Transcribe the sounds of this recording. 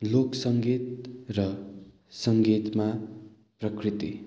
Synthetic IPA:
loksʌŋɡit̪̚rʌ | sʌŋɡit̪ma | prʌkrit̪i

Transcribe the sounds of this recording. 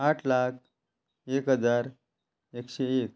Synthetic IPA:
aʈʰlak̚ʰ | ekɦəd͡zaɾ | ekɕeek̚

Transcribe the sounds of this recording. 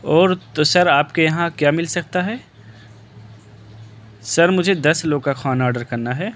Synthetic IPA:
ɔːɾt̪osɐɾaːpkejɐɦãkjaːmɪlsɐk̚t̪aɦɛː | sɐɾmʊd͡ʒʱed̪ɐsloːɡkaxʰaːnɔːɾɖəɾkɐɾnaɦɛː

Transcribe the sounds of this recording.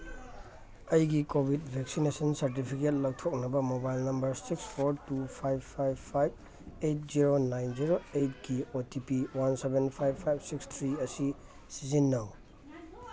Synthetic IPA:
ɐjɡikobʱidbʱeksinesɐnsɐɾt̬ipʰiket̚lɐwtʰok̚nɐbɐmobajlnɐmbɐɾsikspʰoɾtupʰajbpʰajbʰajb̚ | ejt̚ziɾonajnziɾoejt̚ɡiotipiwansebenpʰajbpʰːajb̚sikst̪ʰɾiɐsi | sizinːɐw

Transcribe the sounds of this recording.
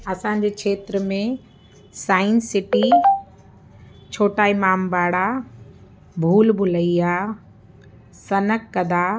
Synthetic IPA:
ɐsãːɲ̆d͡ʑeːkʰeːt̪ɾəmẽ | saːɪnsɪʈi | t͡ɕʰoːʈaːimaːmbaːɽa | bʱuːlbʱʊləiaː | sɐnəkːɐd̪ʱaː

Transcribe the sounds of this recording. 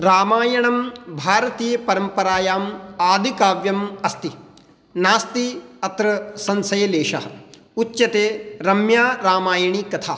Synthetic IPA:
ɾaːmaːjɐɳɐmbʱaːɾɐt̪iːjɐpɐɾɐmpɐɾaːjaːmaːd̪ʱikaːʋjɐmɐst̪i | naːst̪iɐt̪ɾɐsɐnsɐjɐleːʂɐɦɐ̰̆ | utːt͡ʃɐt̪eːɾɐmjaːɾaːmaːjɐɳikɐt̪ʰaː

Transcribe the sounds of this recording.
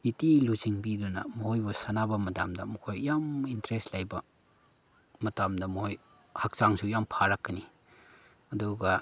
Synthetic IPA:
bitiluziŋbidɔnɐ̰mɔhojbɔsanabɐmɐda̰mdɐmɐkʰojjamintɾestlajbɐ | mɐtamdɐmɔhoj | hak̚saŋsujampʰaɾakːɐni | ɐduɡɐ

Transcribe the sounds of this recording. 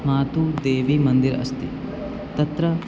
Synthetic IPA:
maːt̪ud̪eːʋimɐnd̪iɾɐ̰st̪ḭ | t̪ɐt̪ɾɐ

